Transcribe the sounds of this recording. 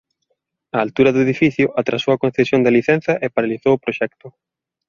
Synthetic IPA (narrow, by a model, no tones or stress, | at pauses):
aːlt̪uɾɐðʊeðifiθjʊʔat̪ɾasowɐkõn̟θesjond̪aliθɛn̟θɐʔepaɾaliθowʊpɾoʃɛk̚t̪ʊ